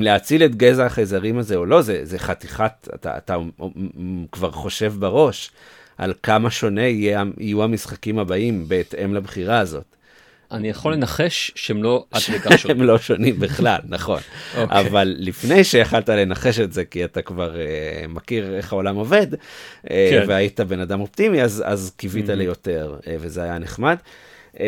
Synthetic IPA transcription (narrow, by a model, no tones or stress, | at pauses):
mleat͡siletɡezaχejzaʁimazeolo̞zezeχatiχata̰ta̰ːt̪a | kvaʁχo̞ʃe̞vbeʁo̞ʃ | ʔa̰lkamaʃo̞ne̞ijeaḭjuhamisχakimhabaimbe̞ːte̞mlabχiʁaːzo̞t | ʔanijaχolenaχeʃʃeemlo̞ʔaekaemlo̞ʃo̞nimbiχlalnaχo̞̰noa̰valːifne̞jʃeaχaltale̞naχe̞ʃe̞tze̞kiatakvaʁemakiʁe̞χhao̞lamo̞ve̞deveaitabe̞nadamo̞p̚t̪imiaza̰zkivitalejo̞te̞ʁevezeajaneχmad